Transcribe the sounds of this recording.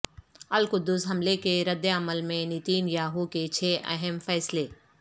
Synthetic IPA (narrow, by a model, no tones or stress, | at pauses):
ɐlkʊd̪ːʊsɦɐmlekeɾɐd̪jaɐməlmẽnit̪iːnjaːɦuket͡ʃʰeːʔɐ̰ɦɛmfɛːsleː